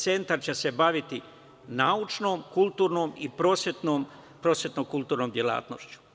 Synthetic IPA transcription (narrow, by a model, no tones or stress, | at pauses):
t̪se̞nt̪aɾt͡ɕese̞baʋit̪i | naut͡ʃno̞ːmkulˠt̪uːɾnoːmipɾoset̪noːm | pɾosjet̪nokulˠt̪uːɾnoːmd̪jela̰ːt̪no̰ʃt͡ʃu̥